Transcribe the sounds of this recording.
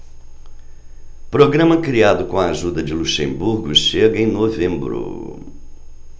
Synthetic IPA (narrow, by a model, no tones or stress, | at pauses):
pɾoɡɾɐ̃mɐkɾiad̪ʊkõɐaʒud̪ɐd͡ʒɪluʃẽmbuɾɡʊʃeɡɐẽj̃novẽmbɾʊ̰